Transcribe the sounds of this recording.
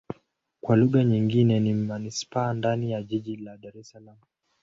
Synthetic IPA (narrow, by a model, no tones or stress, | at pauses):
kwaluɣaɲiŋɡinɛnimanispaːndanijaʄiʄilaɗaɾɛsalamu